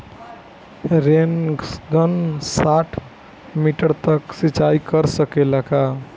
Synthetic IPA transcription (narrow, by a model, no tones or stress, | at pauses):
ɾenɡənsaʈʰ | miʈəɾt̪əksit͡ʃaikəɾsəkelaka